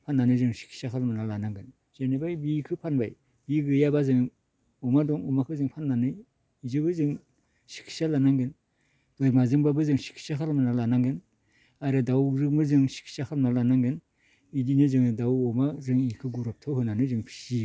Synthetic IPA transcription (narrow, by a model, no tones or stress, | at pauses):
pʰanːanɯzɯŋsi̥kʰi̥sakʰalmɯnalanaŋɡɯn | z̥enebajbikʰɯpʰanbaj | biɡɯjabazɯŋ | ɔmadɔŋɔmakʰɯzɯŋpʰanːanɯj | izɯbɯzɯŋ | si̥kʰi̥salanaŋɡɯn | dɔjmazɯŋbabɯzɯŋsi̥kʰi̥sakʰalmanalanaŋɡɯn | aɾɯdawɾɯmɯzɯŋsi̥kʰi̥sakʰalmnalanaŋɡɯn | idinɯzɯŋdawɔmazɯŋikʰɯɡuɾɔp̚tʰɔwhɯnanɯzɯŋpʰi̥si